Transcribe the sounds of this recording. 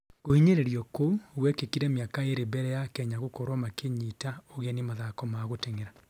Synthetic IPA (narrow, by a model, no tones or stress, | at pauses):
kohiɲeɾeɾiɔkouɣwɛkekiɾɛmjakaeɾebɛɾɛjakɛɲaɣokɔɾwɔmakeɲitaoɣeɛnemaðakɔmaɣoteŋeɾa